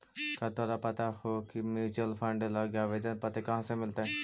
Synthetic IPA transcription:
kat̪oːɾapɐt̪ahokimjuːt͡ʃəlfʰə̃ɳɖlaɡjaʋed̪epɐt̪ekɐɦãsẽmɪlt̪eɦɛ̃

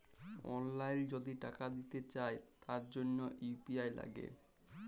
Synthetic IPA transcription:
ɔ̰nlajnd͡ʑod̪iʈakad̪it̪et͡ɕaet̪aɾd͡ʑonːoʔupiajla̰ɡḛ

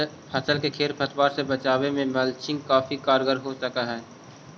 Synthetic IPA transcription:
pʰɐsəlkekʰeːɾpʰɐt̪waːɾsebɐt͡ʃaːwemẽmɐlt͡ʃɪ̃ŋɡkaːfikaːɾɡəɾɦosɐkaɦɛː

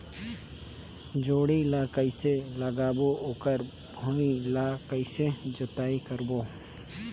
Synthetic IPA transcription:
d͡ʒoːɽilaːkəiseləɡaːbooːkəɾ | bʱoːilakəised͡ʒʊt̪aːikəɾboː

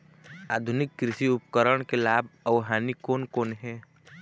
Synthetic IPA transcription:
aːd̪ʱʊnɪkːɾɪʃiʊpkəɾəɽ̃kelaːbəʋɦaːnikoːnkoːnɦɛː

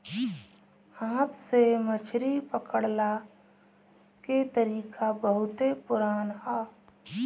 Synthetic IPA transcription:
hãːt̪ʰsemət͡ʃʰɾipəkəɽla | ket̪əɾiːkʰabəɦʊt̪epʊɾaːnɦaː

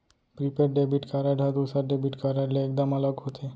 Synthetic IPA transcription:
pɾipeɾɖebiʈkaɾaɖʱad̪usaɾɖebiʈkaɾaɖleːk̚d̪amalɔɡot̪ʰe

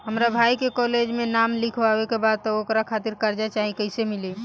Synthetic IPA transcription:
ɦəmɾabʱajkekɔled͡ʒmenamlikʰʋabekebad̪̚t̪ɔokɾakʰat̪iɾkəɾd͡ʒat͡ʃaɦikəɪsemili

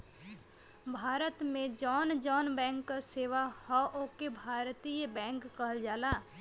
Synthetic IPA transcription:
bʱaːɾət̪mẽd͡ʒɔːnd͡ʒɔːnbɛ̃ːŋkːaseːʋahɔʔokebʱaːɾt̪ijbɛ̃ːŋkːəɦəld͡ʒaːlaː

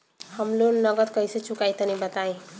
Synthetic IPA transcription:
həmlonʌɡət̪kʌjset͡ʃukajt̪ənibət̪aẽ

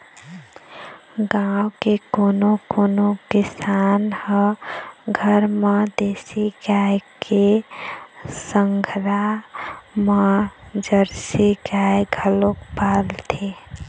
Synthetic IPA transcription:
ɡawkekonokonokisanhə̃ | ɡʱəɾməd̪esiɡajkʰe | səŋɡʱɾa | məd͡ʒəɾsiɡaeɡʱəlokpalt̪ʰe

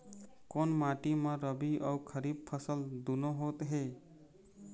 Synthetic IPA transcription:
konmaʈimə̃ɾəbiʔəukʰəɾib̚pʰəsəld̪unoɦot̪ɦe

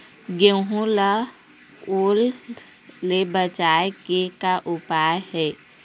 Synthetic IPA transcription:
ɡeɦũla | oːlː | ebət͡ʃaːekekaʔʊpaːjhɛː

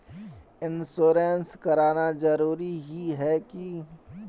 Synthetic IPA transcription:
ɪnsoːɾenskɐɾaːnad͡ʒɐɾuːɾiɦiɦɛki

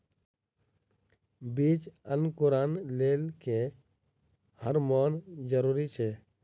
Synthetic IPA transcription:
biːt͡ʃənkʊɾaːnleːlke | həɾmɔːnd͡ʒəɾuːɾit͡ʃʰeː

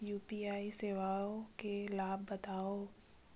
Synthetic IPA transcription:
juːpiaːiseːʋaːõkelaːbːɐt̪aːo

